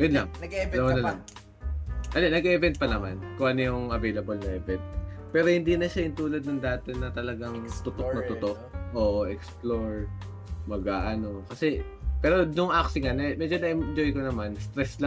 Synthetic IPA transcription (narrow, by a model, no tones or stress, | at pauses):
jonlaŋlɐwɐnɐlaŋ | ʔɐnonɐɡɛɛvɛnt̪̚pɐnɐmankʊŋʔɐnojʊŋʔɐvejlɐbolnɐʔɛvɛnt̪̚pɛːɾo̞hɪnd̪iːnɐʃaʔɪnt̪uːlɐd̪̚nɐŋd̪aːt̪ɛnɐt̪ɐlɐɡaŋt̪ʊt̪ok̚nɐt̪ʊt̪ok̚ʔoːʔoʔɛksploɹ | mɐɡaʔɐno̞kɐsɛ | pɛːɾo̞nʊŋʔaksɪŋɐnɛmɛːd͡ʒonɐʔɛmnd͡ʒo̞jkonɐmanst̪ɾɛsla